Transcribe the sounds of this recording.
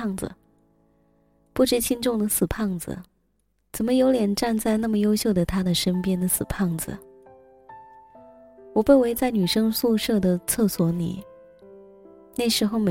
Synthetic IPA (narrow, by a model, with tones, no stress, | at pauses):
ŋd͡z̩̰˩ | pu˥˩ʈ͡ʂɻ̩˥t͡ɕʰi˥nʈ͡ʂʊ˥˩ŋd̪ə˩sɹ̩˨˩pʰɑ˥˩ŋd͡zɹ̩̰˩ | t͡sə˨˩nmə˦jo˧˥ʊljɛ˨˩nʈ͡ʂa˥˧nt͡sa˥˧ɪna˥˩mə˩jo˥ʊɕjo˥˩ʊd̪ə˩t̪ʰa˥d̪ə˨ʂə˥npjɛ˥nd̪ə˨sɹ̩˨˩pʰɑ˥˩ŋd͡zɹ̩̰˨˩ | wɔ˨˩pe˥˩ɪwe˧˥ɪt͡sa˥˩ɪny˨˩ʂɤ˥ŋsu˥˧ʂɤ˥˩d̪ə˩t͡sʰɤ˥˩swɔ˧˥nḭ˨˩˦ | na˥˩ɪʂɻ̩˧˥xo˥˧ʊme˧˩